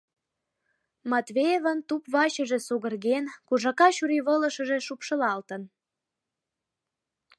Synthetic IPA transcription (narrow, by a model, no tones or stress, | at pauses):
mɑt̪βejevənt̪upβɑɕəʒe̽suɣərɣenkuʒɑkɑɕuɾiβələ̆ʃə̆ʒe̽ʃupʃə̆lɑlt̪ən